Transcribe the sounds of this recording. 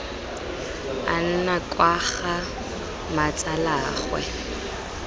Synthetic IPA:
a̰n̩nakʼwaχa | mat͡sʼalaːχwɛ̰

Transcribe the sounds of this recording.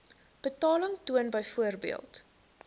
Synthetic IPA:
b̥ətɑːləŋtuənbəjfuərbḭəlˠt

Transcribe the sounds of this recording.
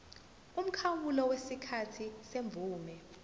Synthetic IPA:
um̩kʰawulɔwesikʰatʰiseɱb̪vʱuːmɛ

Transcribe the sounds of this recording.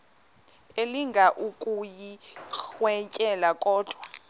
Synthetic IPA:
eliŋɡʱaʔukʼujixwɛcʼɛlakʼɔːd̥ʱwa

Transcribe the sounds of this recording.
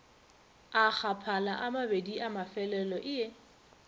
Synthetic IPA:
ak͡xapʰalaʔamabediʔamafɛlɛlɔʔɪe

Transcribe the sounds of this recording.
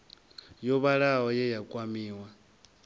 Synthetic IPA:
jɔβaɺaɦɔjɛjakʼwamiːwa

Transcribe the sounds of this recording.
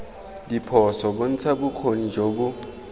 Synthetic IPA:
dipʰɔsɔbʊn̩t͡sʰabuk͡xʰonid͡ʒobu

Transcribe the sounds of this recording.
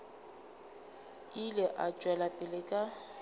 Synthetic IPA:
ilɪʔad͡ʒʼwɛlapʼɪlɪkʼa

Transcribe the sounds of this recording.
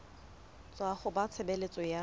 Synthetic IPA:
t͡sʼwaχʊbat͡sʰebelet͡sʼɔja

